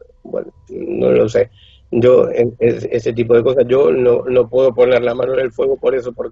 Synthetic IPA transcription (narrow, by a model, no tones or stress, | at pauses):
bwḛn | ino̰lo̰se | d͡ʒoeeseset̪̬ip̬o̞ðeko̞sasʝo̞nono̞pweðo̞po̞ne̞ɾlamãnoelfwe̞ɣopo̞ɾe̞sopoɾk